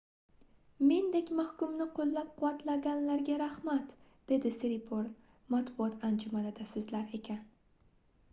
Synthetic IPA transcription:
me̞nd̪ekʲmahkʊmnɪqʰolˠːap̚qʰʊwat̪laɡʲanlaɾɡʲaɾahmat̪ | d̪̥e̞d̪ɪseɾipʰoɾn | mat̪bʊɒt̪ʰand͡ʒʊmanɪd̪asozlaɾe̞kʲʰan

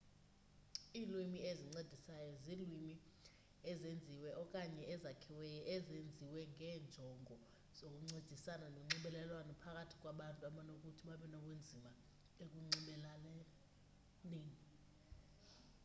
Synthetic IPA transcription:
ilwimieziŋ͡ǀed̥ʱisajɔzilwimi | ɛzend͡zʱiwɛʔɔkʼaɲɛʔɛzakʰiwɛjɔʔɛzend͡zʱiwɛŋʱɛːnd͡ʒʱɔŋʱɔ | z̥ok̬ʼuŋ͡ǀed̥ʱisanaloŋ͡ǀiɓɛlɛlwanɔpʰak̬ʼatʰi̥k̬ʼwaɓantʼuaɓanok̬ʼutʰiɓaɓɛnɔk̬ʼwend͡zʱima | ek̬ʼuŋ͡ǀiɓɛlalɛ | leːni

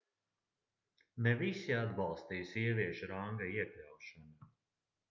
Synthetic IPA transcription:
nɛvisiad̪bɑlˠst̪ijsʲiɛviɛʃuɾaŋɡaiɛklʲawʃana

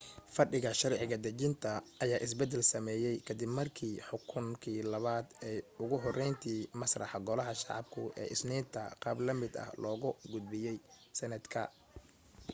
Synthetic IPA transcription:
fɐɖɪɣɐʃɐɾʕɪɣɐd̪ɐt͡ʃɪnt̪ʰɐːjaːʔɪs̬bɛd̪ːɛlsɐmɛːjɛjkʰɐd̪ɪbmɐrkʰiːħʊkʰʊŋkʰiːlɐβaːd̪ɛːjʊɣʊɦɔrɛjnt̪ʰiːmɐsrɑħɑɡɔlɐɦɐʃɑ̰ʕɑb̚kʰʊ̰ʔɛ̰ːʔɪsniːnt̪ʰɐ̰qɑːblɐmɪd̪ɐ̰hlɔːɣʊɡʊd̪̚bɪjɛj | sɛnɐd̪kʰɐ̰

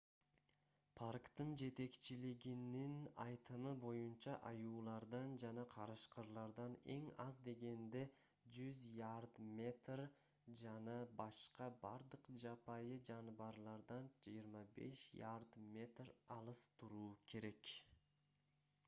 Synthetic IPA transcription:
pʰarkt̪ɯnd͡ʒe̞t̪e̞kt͡ʃiliɡininɑjt̪ɯmɯbo̞junt͡ʃɑʔɑjuːlˠɑɾd̪ɑnd͡ʒɑnɑqʰɑɾɯʃqɯɾlˠɑɾd̪ɑne̞̰ŋɑzd̪e̞ɡe̞nd̪e̞ | d͡ʒyzjard̪mʲe̞t̪r | d͡ʒɑnɑbɑʃqɑbɑɾd̪ɯqd͡ʒɑpɑjɯd͡ʒɑnɯβɑɾlˠɑɾd̪ɑnd͡ʒijəɾmɑbe̞̰ʃjard̪mʲe̞t̪rɑlˠɯst̪uɾuːkʰe̞ɾe̞k

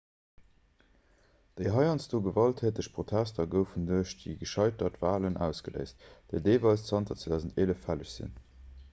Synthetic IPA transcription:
d̥əɪɦɑɪɑnsd̥oːɡəvɑltʰheːtəɕpʰʁ̥otʰæstʰɐɡəʊfənduɐʃdḭɡəʃɑɪtɐtv̥aːlənʔæ̰ʊsɡ̥ələ̰ɪst̚d̥eɪdeɪvɑlst͡sɑntɐt͡sedæːʊzən̩teləfæləɕz̥ḭn

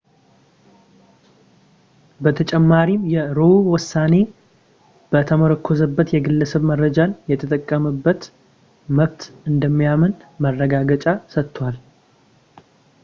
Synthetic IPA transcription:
bət̪ʰət͡ʃʼɛmːaɾimjɛɾowʊsːane̞ | b̥ət̪ʰəməɾəkʰːozəbːət̪jɛɡɨlːəsəβmərːəd͡ʒanjɛt̪ʰət̪ʼəkʼːəməbːət̪ | məβt̪ɨnd̪əmːijamənmərːəɡaɡət͡ʃʼasət̪ːwal

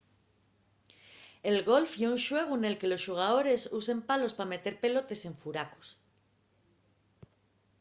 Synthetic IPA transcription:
e̞lɣo̞lfjeunʃwe̞ɣ̞uene̞lke̞lo̞sʃuɣ̞aðo̞ɾe̞susempalo̞spame̞t̪e̞ɾpe̞lo̞t̪e̞se̞ɱfuɾako̥s

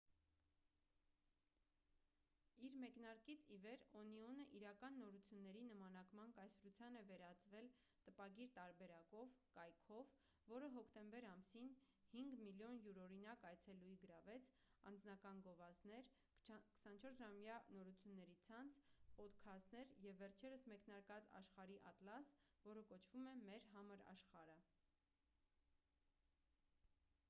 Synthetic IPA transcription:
iɾmɛknɑɾkit͡sʰivɛɾɔniɔnəʔiɾɑkɑnːɔɾut͡sʰjunːɛɾinəmɑn̪ɑkmɑnkɑjsɾut͡sʰjɑnɛvɛɾɑt͡svɛl | t̪əpɑɡiɾt̪ɑɾbɛɾɑkɔvkɑjkʰɔvː | ɔɾəɦɔkʰt̪ɛmbɛɾɑmsin | hiŋɡmiljɔnjuɾɔɾinɑkɑjt͡sʰɛlujɡəɾɑvɛt͡sʰ | ɑ̰nd͡znɑkɑnɡɔvɑznɛɾ | kə̥sɑnt͡ʃʰɔɾsʒɑmjɑnɔɾut͡sʰjunːɛɾit͡sʰɑnt͡sʰpɔt̪kʰɑsnɛɾjɛvːɛɾt͡ʃʰɛɾəsmɛkn̪ɑɾkɑt͡sɑ̰ʃχɑɾiʔɑ̰t̪lɑsvɔɾəkɔt͡ʃʰvumɛmɛɾɦɑməɾɑ̰ʃχɑɾə

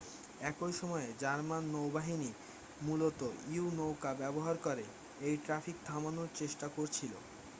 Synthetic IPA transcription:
ɛkojʃɔmɔed͡ʑaɾmanːowbaɦini | mulot̪oiunowkabɛboɦaɾkoɾe | ejʈɾafʰik̚t̪ʰamanoɾt͡ɕeʃʈakoɾt͡ɕʰilo̰

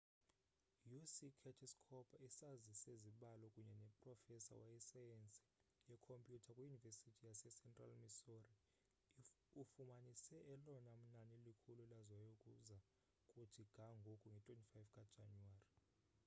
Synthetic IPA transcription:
jusikʰɛtʰiskʰɔpʰaisaziseziɓalɔkʼuɲɛnɛpʼrɔfɛsa̰waisajɛnt͡sʼi̥jɛkʰompʼjutʰakʼwujunivesitʰijasɛsɛntʼra̰lmisori | ufumanisɛʔɛlɔnam̩nanilikʰululazwajokʼuza | kʼutʰiɡ̥ʱaŋɡʱokʼuŋɡʱɛtʼwentʼifajvkʼad̥ʒ̥ʱanuwaːri

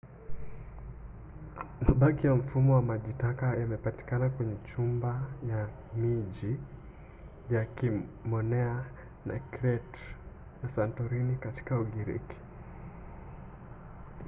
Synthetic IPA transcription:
maɓakijam̩fumɔwamaʄitakajamɛpati̥kanakwɛɲɛt͡ʃumbaja | miʄi | akimɔnɛa | na̰kɾɛt | nasantɔɾinikati̥kauɠiɾḭki̥

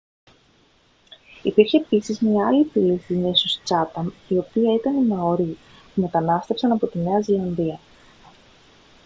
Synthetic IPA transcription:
ipiɾçe̞ːpisizmɲɐɐlipiliθimesust͡sɐt̪ɐmio̞piɐit̪ɐninɐo̞ɾi | pume̞t̪ɐnɐst̪e̞fsɐnɐpo̞t̪ine̞ɐzilɐnðiɐ

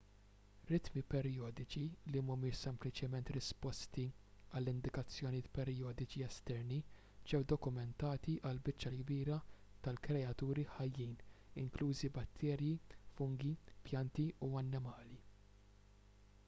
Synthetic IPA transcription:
ɾɪt̪mipɛɾjɔːd̪ɪt͡ʃilimʊmɪːʃsɛmplɪt͡ʃɛmɛnt̪ɾɪspɔst̪iɐlːɪnd̪ɪkɐt͡sːjɔnijɪːt̪pɛɾjɔːd̪ɪt͡ʃiɛst̪ɛɾni | d͡ʒɛwd̪ɔkʊmɛnt̪ɐːt̪iʔɐlbɪt͡ʃːɐlɡbiːɾɐ | t̪ɐlkɾɛɐt̪uːɾiħɐjːiːnɪ̰ŋkluːzibɐt̪ʰːɛːɾjifʊŋɡipjɐnt̪iuɐnːɪmɐːli

